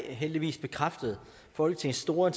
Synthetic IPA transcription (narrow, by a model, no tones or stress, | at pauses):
ɦeld̥iʋḭːsb̥e̝kʰʁafd̥əð̩ˠ | fɒ̽l̰ɡ̥̚t͡sʰe̝nsd̥o̝ːɐen